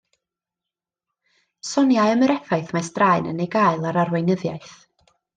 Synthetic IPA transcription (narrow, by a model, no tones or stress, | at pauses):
sɔnjajəməɾɛfajθmajsd̥rajnə̰nejɡaɨlˠaɾarwejnəðjaɨθ